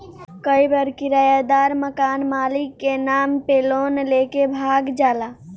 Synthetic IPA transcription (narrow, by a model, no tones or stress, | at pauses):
kəjbəɾkiɾajad̪aɾməkanmalikːenampelonlekebʱaɡd͡ʒala